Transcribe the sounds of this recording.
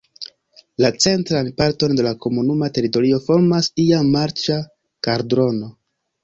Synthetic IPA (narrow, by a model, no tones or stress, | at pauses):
lat͡se̞ntɾanpaɾto̞nde̞lako̞munumate̞ɾito̞ɾio̞fo̞ɾmasiamaɾt͡ʃa | kaɾdɾo̞no̞